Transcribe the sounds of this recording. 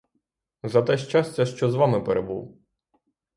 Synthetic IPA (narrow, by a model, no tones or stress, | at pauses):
zɐt̪ɛʃt͡ʃasʲtʲːɐʃt͡ʃɔzʋɑmɪpeɾebṵw